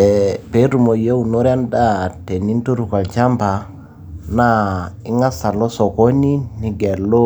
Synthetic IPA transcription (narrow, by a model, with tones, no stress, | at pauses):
ɛ˨pe˨˦ɾu˨mo˨je˦u˨no˦ɾja˦nda˦te˨ni˦nto˦ɾu˨ka˨lt͡ʃa˦mpa˨ | na˦ɪ˦ŋa˦sa˨lɔ˦sɔ˨ko˦ni˦ni˨ɡɛ˨lo˦